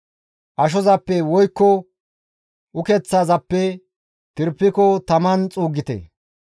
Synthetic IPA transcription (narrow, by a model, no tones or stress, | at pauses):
ʔɐʃ̬ɔzɐpːɛwɔjkːɔ | ʔʊkɛt͡sːaːzɐpːɛ | t̪ɪɾpːɪkɔt̪ɐmɐnt͡sʼuːɡːɪt̪ɛ̰